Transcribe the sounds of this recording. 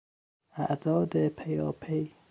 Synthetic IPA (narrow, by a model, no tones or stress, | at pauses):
ʔæʔd̪̥ɒːd̪epʰejɒːpʰej